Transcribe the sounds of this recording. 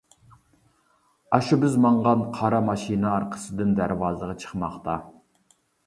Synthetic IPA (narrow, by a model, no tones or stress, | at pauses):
ɑʃubɪzmɑɴʁɑnqʰɑɾɑmɑʃinɨɑɾqʰə̥sɨd̪ɨnd̪æɾvɑːzəʁɑt͡ʃʰə̥χmɑχt̪ʰɑ